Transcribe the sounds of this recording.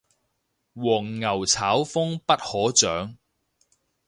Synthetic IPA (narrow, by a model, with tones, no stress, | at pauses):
wɔː˨˩ŋːɐ˨˩wt͡sʰaː˨˥wfʊ˥ŋpɐ˥t̚hɔː˨˥t͡sœː˨˥ŋ